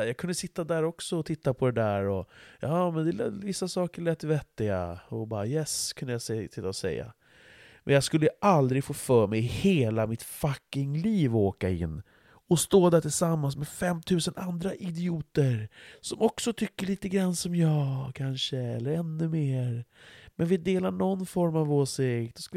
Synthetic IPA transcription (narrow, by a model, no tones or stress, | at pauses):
jɑɡkʰɵnd̪əsɪt̪ːad̪æːɾɔksɔɔt̪ʰɪt̪ːapʰɔd̪ɛd̪æːɾɔjɑːmɛnd̪ɛlɛvɪsːasɑːkəɭɛːt̪ːvɛt̪ːɪɡa̰ɔbɑ̰ːɾajɛskʰɵnd̪əjasɛsɪt̪ːaɔsɛ̰jːa̰ | mɛ̰njɑaɡskɵlːəʔald̪ɾɪɡfoːfœːɾmɛjheːlamɪt̪fakːɪŋliːvɔoːkaɪ̰nː | ɔst̪oːd̪æʈʰɪlsamːans̬mɛfɛmːt̪ʰʉ̟ːsənʔand̪ɾaʔɪd̪ɪuːt̪əɾsɔmɔksɔt̪ʰʏkːəɭiːt̪əɡɾanːsɔmjɑːɡkʰanʂəɛ̰lːəɾɛnːɵmeːɾmɛnvɪd̪eːlaɳɔnːfɔɾmavoːsɪkt̪ɔsk̪